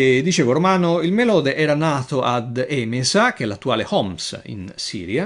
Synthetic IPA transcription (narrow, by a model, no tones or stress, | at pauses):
d̪ːit͡ʃeːvoɾomaːnoilmelɔːd̪eʔɛːɾanaːt̪oʔad̪ɛmezak̟eɛlːat̪ːuaːlehɔmsḭnsḭːɾja